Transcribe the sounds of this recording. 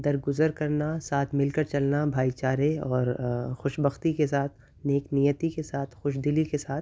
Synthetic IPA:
d̪ɐɾɡʊzəɾkɐɾnasaːt̪ʰmɪlkɐɾt͡ʃɐlnabʱaːit͡ʃaːɾeɔːɾxʊʃbəxt̪ikesaːt̪̚ʰ | neːknijət̪ikesaːt̪ʰxʊʃd̪ɪlikesaːt̪

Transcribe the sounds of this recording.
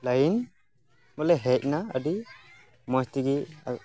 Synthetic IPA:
lajin | mɔlɛɦɛc̚naə̰di | mɔst̪iɡḭ

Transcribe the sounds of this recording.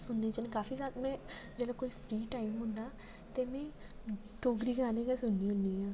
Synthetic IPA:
sʊnːẽːt͡ʃənːkaːfiːsaːt̪mɛ̃ːd͡ʒɛːlaːkoːiːpʰɾiːʈaːimɦʊ̃nd̪aː | t̪eːmɛ̃ː | ʈoːɡɾiːɡaːnẽːɡɛːsʊnːĩːɦʊ̃nd̪iːãː

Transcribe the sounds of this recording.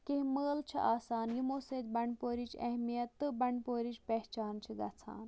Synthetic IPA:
keɦməːlt͡ʃʰḭʔaːsaːnjimoːseːt̪̚bɐɳpoːɾit͡ʃʰɐɦmijɐt̪ːɨbɐɳpoːɾit͡ʃpɛɦt͡ʃaːnt͡ʃʰiɡ̪ɐt͡sʰa̰ːn

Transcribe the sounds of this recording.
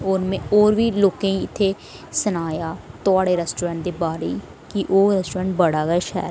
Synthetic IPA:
oɾmẽːoːɾʋiːloːkẽːĩːɪt̪ʰːeː | sənaːjaːt̪ʊaːɽeːɾɛːsʈoːɾɛ̃ːɳʈ̚d̪eːbaːɾḛː | kiʔoːɾɛsʈoːɾɛ̃ːɳʈ̚bəɽaːɡʃɛ̰ː

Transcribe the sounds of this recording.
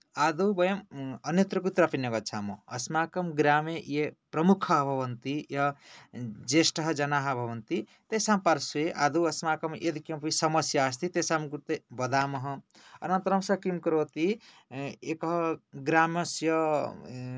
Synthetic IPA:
ad̪ubʌjɐmʌnjʌt̪ɾʌkut̪ɾʌpinʌɡʌt͡sʰamṵːsmakʌmɡɾamejepɾʌmukʰʌːbʱʌbʌnt̪ijʌ | d͡zesʈʌɦʌd͡zʌnaɦabʱʌwʌnt̪i | t̪esampaɾsueʔa̰d̪uɐsmakʌmʔed̪ikjempisʌmʌsjaːst̪it̪esamkut̪ebʌd̪amʌɦʌ̃ | ʌ̰nant̪ɾʌmsʌkimkɾot̪i | ekʌɦʌɡɾamʌsjʌ

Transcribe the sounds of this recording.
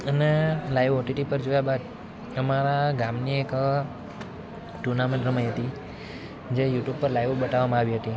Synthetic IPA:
ənelajʋoʈiʈipəɾd͡ʒojabad̪ | əmaɾaɡamniek | ʈuɾnamẽʈɾəməjɦət̪i | d͡ʒejuʈjub̚pəɾlajʋobəʈaʋamãaʋiɦət̪i

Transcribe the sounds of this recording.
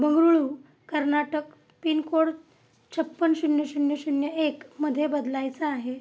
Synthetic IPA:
bəŋɡɾuɭu | kəɾnaʈək | pinkoɽ | t͡ɕʰəpːənsunjəɕunjəɕunjəekməd̪ʱːjebəd̪lajt͡səaɦe

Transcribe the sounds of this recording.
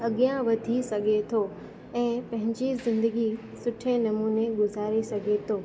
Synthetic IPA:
ɐɠijãʋɐd̪ʱisɐɡʱet̪ʰo | ɛ̃ːpɐ̃ɦɪ̃ɲd͡ʑizɪ̃nd̪əɡi | sʊʈʰenɐmuːneɡʊzaːɾesɐɡʱet̪ʰoː

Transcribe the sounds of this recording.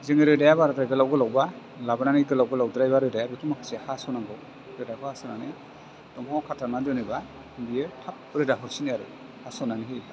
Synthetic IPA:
zeŋɯɾɯdajabaɾataɡɯlawɡɯlawba | labɯnaniɡɯlawɡɯlawdɯɾajbaɾɯdajabikʰɯmakʰɯ̥sehasɔnaŋɡɔw | ɾɯdakʰɯhasɔnanɯ | tɔŋawkʰatʰamadɔnɯba | biɯtʰap̚ɾɯdaɦɔɾsiniaɾɯ̰ | hasɔnanihi

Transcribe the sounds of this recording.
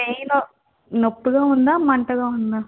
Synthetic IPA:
ejno | nopːɯɡaːund̪aːmɐɳʈɐɡaːund̪aː

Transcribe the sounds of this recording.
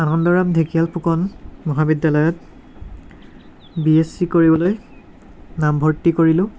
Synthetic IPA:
anɔndɔɹamdʱekialpʰukɔnmɔɦabidːalɔjɔt̚ | biesikoɹibɔloj | nambʱɔɹtikoɹilʊ̃

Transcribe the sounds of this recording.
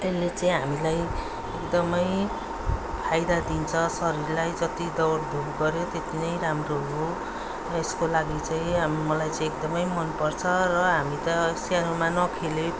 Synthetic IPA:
t̪elːet͡saĩɦamilaj | ekd̪ʌmʌj | pʰajd̪ad̪int͡sʰʌsʌɾiɾlajd͡zʌt̪id̪ʌwɽd̪ʱuɡɡʌɾjot̪et̪inʌjɾamroɦo | eskolaɡit͡saĩmʌlajt͡saĩekd̪ʌmʌjmʌnpʌrt͡sʰʌrʌɦamit̪ʌsanomanʌkʰele

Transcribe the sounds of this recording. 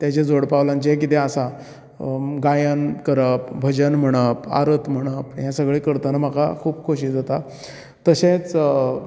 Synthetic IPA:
t̪jat͡ɕed͡zoɽpaʋlãɲt͡ɕɛk̬it̪easa | ɡajankəɾəp̚bʱəd͡ʑənm̤əɽ̃əpa̰ɾət̪m̤əɽ̃əpɦjãsəɡɭekəɾt̪anam̤aka̰kʰuːbkʰoɕid͡zat̪a | t̪əɕet͡s

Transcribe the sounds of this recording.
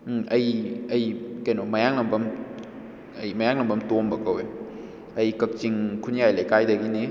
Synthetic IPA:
ɐjɐjkajnomɐjaŋlɐmbɐm | ɐjmɐjaŋlɐmbʱɐmtombɐkɐwe | ɐjkɐk̚t͡ʃiŋkʰunjajlekajdɐɡini

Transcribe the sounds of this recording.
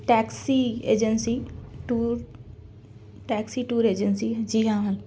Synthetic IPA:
ʈɛːksieːd͡ʒənsiʈuːɾ | ʈɛːksiʈuːɾeːd͡ʒənsid͡ʒiːɦãːʋɐl

